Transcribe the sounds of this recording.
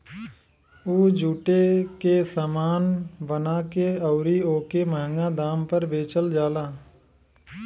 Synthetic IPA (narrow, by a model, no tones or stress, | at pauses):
uːd͡ʒuːʈekesəmaːnbənakeəʊɾioːkeməɦə̃ŋɡad̪aːmpəɾʋeːt͡ʃəld͡ʒaːlaː